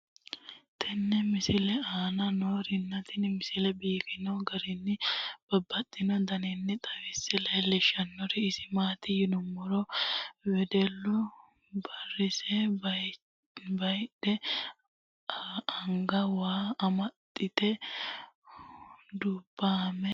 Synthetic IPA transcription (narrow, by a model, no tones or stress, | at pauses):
t̪ʰɛnːɛmɪsɪlɛaːnɐnoːɾɪnːɐt̪ɪnmɪsɪlɛbiːkɪnɔɡɐɾɪnːɪb̥ɐbːɐt̪ʼːɪnɔd̪ɐnɛnːɛt̪ʼɐwɪsːɛlɐjlɛʃɐnːɔɾɪːsɪmaːt̪ɪjɪnʊmːɔɾɔwɛd̪ɛlːʊ | bɐrɪsɛ | bɐjᶑɛ | ɐŋɡɐwaːɐmɐt̪ʼːɪt̪ɛ | d̪ubːamɛ